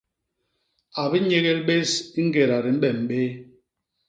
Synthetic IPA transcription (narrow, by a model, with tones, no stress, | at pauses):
a˨bi˦ɲe˦ɣe˦lɓe˦si˦ŋ̩˦ɡe˨ɾa˨ɾi˨m̩˦ɓɛ˦˨m̩˨ɓe˦